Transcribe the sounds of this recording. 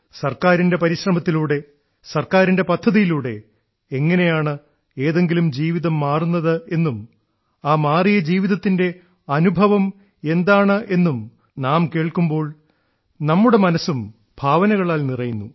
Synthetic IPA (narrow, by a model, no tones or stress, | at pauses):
sɐrkaːɾinde̞pɐɾiɕrɐmɐt̪ːiluːɽe̞ | sɐrkaːɾinde̞pɐd̪ʱːɐðijiluːɽe̞ː | ŋːɐne̞jaːɳɨ | eːðe̞ŋɡilumd͡ʑiːʋiðɐmːaːrunːɐðɨe̞nːum | aːmaːrijɐd͡ʑiːʋiðɐt̪ːinde̞ | ɐnubʱɐʋɐm | e̞nd̪aːɳɨʔe̞nːum | naːmke̞ːɭkumbo̞ːɭ | nɐmːuɽe̞mɐnɐsum | bʱaːʋɐnɐɣɐɭaːlnirɐjunːu